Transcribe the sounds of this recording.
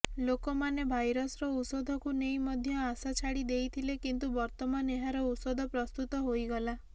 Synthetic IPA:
lokɔmanebʱajɾɔsɾɔusɔd̪ʱɔkunejmɔd̪ʱjɔasat͡ʃʰaɽid̪ejt̪ʰilekint̪ubɔɾt̪ɔmaneɦaɾɔusɔd̪ʱɔpɾɔst̪ut̪ɔɦojɡɔla

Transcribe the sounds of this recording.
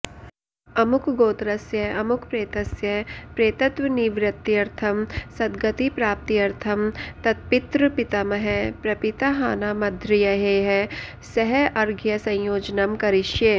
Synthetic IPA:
ɐmʊkɡoːt̪ɾɐsjɐɐmʊkʰpɾeːt̪ɐsjɐpɾeːt̪ɐt̪ʋɐniʋɾɐt̪ːiɐɾt̪ʰɐmsɐd̪ɡɐt̪ipɾaːp̚t̪ijɐɾt̪ʰɐmt̪ɐt̪̚pɪt̪ɾɨpɪt̪ɐmɐɦɛpɾɐpɪt̪aɦaːnaːmɐd̪ʱɾɪjɐɦeːɦɛ | sɐɦɛʔɐɾɡjɐsɐ̃j̃joːd͡ʒnɐmkɐɾɪʃje

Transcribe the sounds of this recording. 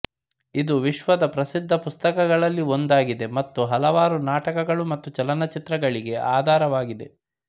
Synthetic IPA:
id̪uʋiʃʋɐd̪ɐpɾɐsid̪ʱːɐpust̪ɐkɐɡɐɭɐlːio̞nd̪aːɡid̪e̞mɐt̪ːuɦɐlɐʋaːɾunaːʈɐkɐɡɐɭumɐt̪ːut͡ʃɐlɐnɐt͡ʃit̪ɾɐɡɐɭiɡe̞ʔaːd̪ʱaːɾɐʋaːɡid̪e̞̰

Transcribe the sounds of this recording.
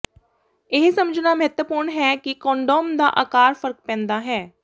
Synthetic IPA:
ɪɦsəməd͡ʒnaːməɦət̪wəpuːɾɳɦɛːkɪkɔ̃ːɳɖoːmd̪a̰ːʔaːkaːɾfʰəɾk̚pɛ̃ːnd̪aːɦɛː

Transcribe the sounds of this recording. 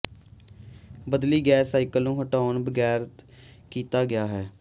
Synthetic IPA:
bəd̪liːɡɛːsːaːɪkəlnũːɦəʈaːnbəɡɛːɾt̪ | kiːt̪aːɡɪjaːɦɛː

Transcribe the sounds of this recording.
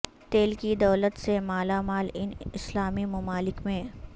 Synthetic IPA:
t̪eːlkid̪ɐːlət̪semaːlamaːlɪnɪslaːmimɐmaːlɪkmẽː

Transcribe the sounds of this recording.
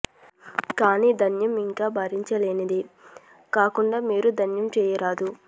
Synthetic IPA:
kaːniːd̪ʱɐnjɐmiŋkaːbʱaːɾiɲt͡ʃɐleːnid̪i | kaːkuɳɖaːmiːɾud̪ʱɐnjɐmt͡ʃɛːjɐɾaːd̪u

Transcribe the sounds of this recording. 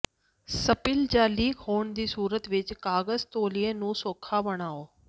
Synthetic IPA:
səpɪld͡ʒaːliːkɦoːɳd̪iːsuːɾət̪ʋɪt͡ʃkaːɡəzt̪oːlienũːsoːkʰabəɽ̃aːoː

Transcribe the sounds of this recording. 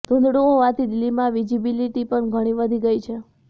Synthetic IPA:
d̪̥ʱund̪ɽuoʋat̪ʰid̪ɪlːimãʋid͡ʒibiliʈipəɳɡʱəɽ̃iʋəd̪ʱiɡəjt͡ʃʰe

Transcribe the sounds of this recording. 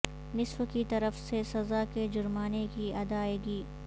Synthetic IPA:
nɪsfkit̪ɐɾəfsesɐzaked͡ʒʊɾmaːnekiɐd̪aːeːɡiː

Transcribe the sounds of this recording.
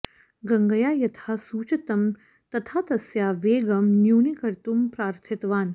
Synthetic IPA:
ɡɐŋɡɐjaːjɐt̪ʰaːsuːt͡ʃɐt̪ɐm | t̪ɐt̪ʰaːt̪ɐsjaːʋeːɡɐmnjuːnikɐɾt̪umpɾaːɾt̪ʰit̪ʋaːn

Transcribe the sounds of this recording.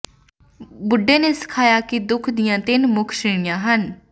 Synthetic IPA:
bʊɖeːneːsɪ̥kʰaːjaːkid̪ʊkʰd̪ɪjãːt̪ɪnmʊkʰʃɪːɽ̃ijãːɦən

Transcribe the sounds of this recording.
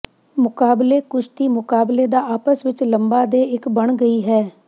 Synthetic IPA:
mʊkaːbleːkʊʃt̪iːmʊkaːbleːd̪aːaːpəsʋɪt͡ʃləmbaːd̪eːɪkbəɳɡəiːɦɛː

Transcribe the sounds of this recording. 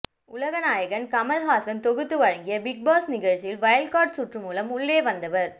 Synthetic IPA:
ʊlɐɣɐnaːjɐɣɐnkɐmɐlɦaːsɐnt̪ɔɣɯt̪ːɯʋɐɻɐŋɡɪjɐbɪk̚baːsnɪɣɐɻt͡ʃɪjɪlʋɐjɐlkaːɾʈsʊʈrɯmuːlɐmʊɭːeːʋɐnd̪ɐʋɐɾ

